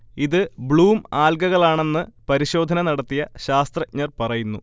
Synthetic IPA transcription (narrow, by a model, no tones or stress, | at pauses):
iðɨbɭuːmaːlɡɐɣɐɭaːɳe̞nːɨpɐɾiɕo̞ːd̪ʱɐnɐnɐɽɐt̪ːijɐɕaːst̪rɐɲɐrpɐrɐjunːu